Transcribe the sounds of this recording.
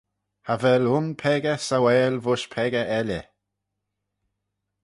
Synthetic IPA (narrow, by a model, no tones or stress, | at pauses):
havɛlʊnpʰɛɡəsawɛːlvʊʃpʰɛɡəʔɛlə̰